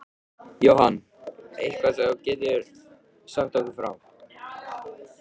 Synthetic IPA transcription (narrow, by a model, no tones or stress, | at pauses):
jowhan | ejhkvasɛcɛːt̪ɪɾ̥ | sam̥t̪akʏfɾa̰wm